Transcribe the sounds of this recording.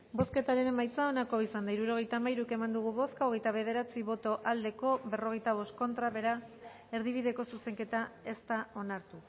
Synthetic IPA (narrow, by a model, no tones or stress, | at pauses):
bo̞ske̞t̪aɾenemajt͡sao̞nako̞isand̪aiɾuɾo̞ɣ̞ejt̪amajɾuke̞mand̪uɣ̞uβo̞skaoɣ̞e̞jt̪aβ̞e̞ð̞e̞ɾat͡siβo̞t̪o̞ʔald̪e̞ko̞βe̞ro̞ɣe̞jt̪aβ̞o̞st̪̚ko̞nt̪ɾaβe̞ɾa | e̞ɾðiβiðe̞ko̞suse̞ŋke̞t̪ae̞st̪ao̞naɾt̪u